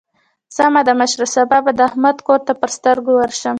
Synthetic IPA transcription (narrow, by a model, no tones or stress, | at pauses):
z̥əmad̪əmaʃɾəsababad̪əahmad̪koɾt̪apəɾst̪əɾɡowəɾʃəm